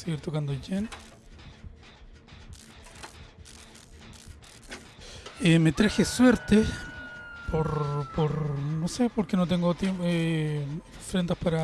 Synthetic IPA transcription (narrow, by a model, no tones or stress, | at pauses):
seɣiɾt̪okand̪oʝen | emet̪ɾaxeswe̞ɾt̪e | poɾpoɾnosepoɾkenot̪̬eŋɡot̪eme | fɾend̪aspaɾa